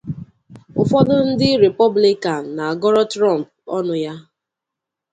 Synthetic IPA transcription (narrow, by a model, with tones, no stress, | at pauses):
ʊ˨fɔ˦dʊ˦n̩˦dɪ˦ɾe˨pɔ˦bli˦ka˨n̩˨na˨a˨ɡɔ˦ɾɔ˦tɾɔ˦˨m˨p̚ɔ˦nʊ˨ja˦